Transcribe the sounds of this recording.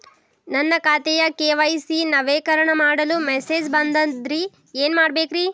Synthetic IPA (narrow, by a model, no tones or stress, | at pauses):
nɐnːɐkaːt̪ɛjɐkeːʋɐjsinɐʋeːkɐɾɐɳɐmaːɽɐlumeseːd͡ʒbɐnd̪ɐnd̪ɾi | eːnmaːɽbeːkɾi